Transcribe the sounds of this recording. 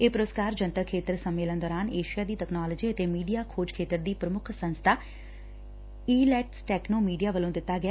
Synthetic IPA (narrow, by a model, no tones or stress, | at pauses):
eːpɾoːskaːɾd͡ʒə̃nt̪əkʰːeːt̪əɾsəmːeːlənd̪ɔːɾaːneːʃijaːd̪iːʈɛːknaːləd͡ʒiːət̪eːmiːɖijaːkʰoːd͡ʒkʰeːt̪əɾd̪iːpɾəmʊkʰsə̃nst̪ʰaː | iːlɛːʈsʈɛːknoːmiːɖijaːʋəlõːd̪ɪt̪ːaːɡɪaː